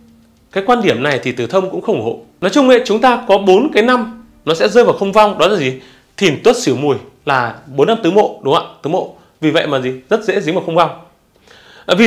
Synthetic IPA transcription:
kaː˨˦jkwaː˧nɗi˧˩əmna˨˩jt̪ʰi˨˩t̪ɨ˧˩t̪ʰə˧wŋ͡mkʊ̰˧˥ŋ͡mxə˧wŋ͡mʔho̰˧˨nɔ˨˦jt͡ɕʊ˧ŋ͡mŋwḛ˧˥t͡ɕʊ˨˦ŋ͡mt̪aː˧kɔ˨˦ɓo˨˦nkaː˨˦jna˧m | nɔ˨˦sɛ̰˧˥zəː˧jva˨˩wxə˧wŋ͡mva˧wŋ͡mɗɔ˨˦laː˨˩zi˨˩ | t̪ʰi˨˩nt̪wə˦˥t̚səwmu˨˩əj | laː˨˩ɓo˨˦nːa˧mt̪ɨ˨˦mo̰˧˨ɗʊ˨˦ŋ͡ma̰ː˧˨t̪ɨ˨˦mo̰˧˨ | vi˨˩və̰˧˨jmaː˨˩zi˨˩zə˦˥t̚zḛ˧˥zŋvaː˨˩xə˧wŋ͡mva˧wŋ͡m | vi˨˩

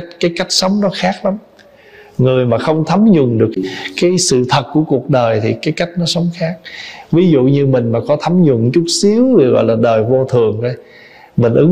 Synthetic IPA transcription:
kaː˨˦jka˦˥jk̟̚sə˨˦wŋ͡mnɔ˨˦xaː˦˥k̚la˨˦m | ŋɨ˨˩əjmaː˨˩xə˧wŋ͡mt̪ʰə˨˦mzʊ˨˩ŋ͡mɗɨ˨˩əkkaː˨˦jsɨ̰˧˨t̪ʰə˨˩t̚ku˧˩əku˨˩ək̚ɗəː˨˩jt̪ʰi˨˩kaː˨˦jka˦˥jk̟̚nɔ˨˦sə˨˦wŋ͡mxaː˦˥k̚vi˨˦zṵ˧˨ɲɨ˧mï˨˩ŋ̟maː˨˩kɔ˨˦t̪ʰə˨˦mzʊ˨˩ŋt͡ɕʊ˦˥t̚si˨˦əwi˧˨˩ɣɔ̰˧˨jlaː˨˩ɗəː˨˩jvo˧t̪ʰɨ˨˩əŋʔə˧j | mï˨˩ŋ̟ʔɨ˨˦

